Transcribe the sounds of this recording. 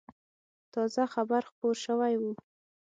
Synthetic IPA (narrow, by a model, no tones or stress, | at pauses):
t̪ɑzaxabaɾxpoɾʃəwajwu